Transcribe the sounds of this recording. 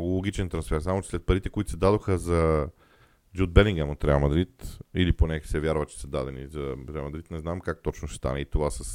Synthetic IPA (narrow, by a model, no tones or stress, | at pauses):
noɡʊlˠoɡit͡ʃɛnt̪ɾɐnsfɛɾsamʊt͡ʃɛ̥slɛt̪̚pɐɾit̪ɛkoit̪ʊ̥sɛd̪ad̪oxəzɐ | d͡ʒud̪̚bɛliŋɡamot̪ɾɛalˠmɐd̪ɾit̪iliponɛsɛvʲjaɾvət͡ʃɛ̥səd̪ad̪ɛnizɐɾɛalˠmɐd̪ɾit̪nɛznamkak̚t̪ɔt͡ʃnʊʃɛ̥st̪a̰nɛit̪ovasəs